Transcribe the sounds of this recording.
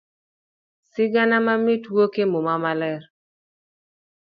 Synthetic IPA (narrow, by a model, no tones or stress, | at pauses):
sɪɡanamamitwokemomamalɛr